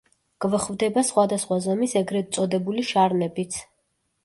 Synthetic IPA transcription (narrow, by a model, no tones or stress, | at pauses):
ɡ̥vχvd̪ɛbasχwad̪asχwazɔmisɛɡɾɛt̪sʼɔd̪ɛbuliʃaɾnɛbit̪sʰ